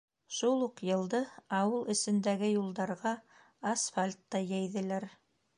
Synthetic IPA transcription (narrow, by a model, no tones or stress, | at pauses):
ʃulˠuqjɤ̆lˠd̪ɤɑwɤlˠɘ̆sɘ̆nd̪æɡɘjulˠd̪ɑɾʁɑː | sfalʲt̪ːɑjæjðɘ̆læɾ